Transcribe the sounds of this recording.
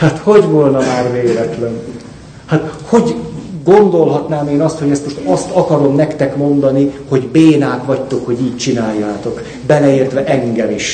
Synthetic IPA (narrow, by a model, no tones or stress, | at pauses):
haːt̪ho̞ɟvolnɒmaːrveːlɛt̪lɛn | hat̪ho̞ɟɡo̞nd̪olɦɒt̪naːmeːnɒst̪hoɟɛst̪mo̞ʃt̪ɒst̪ɒkɒɾo̞mnɛkt̪ɛkmo̞nd̪ɒniho̞ɟbeːnaːkʋɒct̪o̞kho̞ɟiːc̚t͡ʃinaːjːaːt̪o̞k | bɛlɛeːrt̪ʋɛʔɛŋɡɛmiʃ